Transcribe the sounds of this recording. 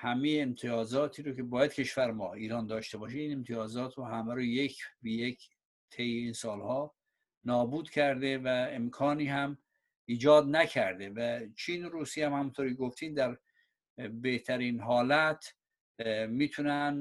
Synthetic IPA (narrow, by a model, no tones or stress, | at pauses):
hæmejeːmt̪ʰijɒːzɒːt̪ʰiːɾocʰe̞bɒːjæd̪̥̚cʰe̞ʃvæɾmɒ̰ːiːɾɒːnd̪ɒːʃt̪e̞bɒːʃimiːnemt̪ʰijɒːzɒːt̪ʰɾohæmæɾojekʰbijekʰ | t̪ʰejeinsɒːlhɒː | nɒːbuːd̪cʰæɾd̪evæemkʰɒːniːhæm | iːd͡ʒɒːd̪næcʰæɾd̪evæt͡ʃʰiːnoɾuːsijhæmhæmunt̪ʰoɾieɡoft̪iːnd̪æɾ | be̞ht̪ʰæɾiːnɦɒːlæt̪ʰ | miːt̪ʰunæn